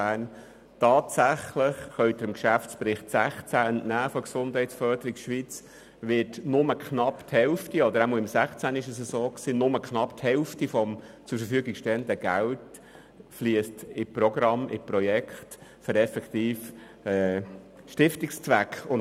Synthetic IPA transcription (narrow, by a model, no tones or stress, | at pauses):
æːn | tɑːtsæχləχχœɥt̪əɾɪmkʃæft͡spɾɪχtsæχt͡sæəntnæːfɔksʊndhɛɪtsfœɾdəɾɪɡʃʋit͡s | ʋɪtnʊməkχnɑpthɛlftiɔd̪əɾæmɔlɪmsæχt͡sæːnɪʃəsəsoːksiːnʊməkχnɑpthɛlftifɔmt͡sʊɾfəɾfyəɡɪkʃtɛənd̪əɡ̥ælt | fliəst̪ɪpɾɔɡɾɑmʔɪ̰pɾɔjɛkχtfəɾɛfɛkt̪iːf | ɛː | ʃtɪftɪkst͡svækχʊn